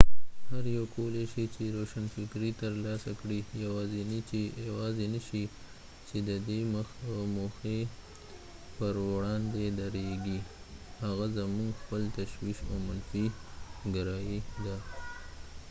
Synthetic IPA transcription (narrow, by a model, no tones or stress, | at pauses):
haɾjawkoleʃit͡ʃeɾoʃanfɪkɾit̪əɾlɑsakɽijawɑzenit͡ʃejawɑzenaʃi | t͡ʃed̪əd̪eməxmoxe | pəɾwɽɑnd̪ed̪aɾeɡi | haɣazamuŋɡxpəlt̪aʃwiʃamanfiɡaɾɑjid̪a